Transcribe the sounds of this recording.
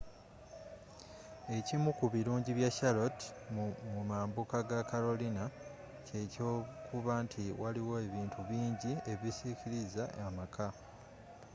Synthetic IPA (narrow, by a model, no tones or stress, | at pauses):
e̞cimukuβiɾuːɲɟiβjaʃalo̞tmumaːmbukaɡakaɾo̞lina | ce̞co̞ːkʰuβaːntʰiwaliwo̞e̞βiːntʰuβiːɲɟie̞βisiciɾizaamakʰa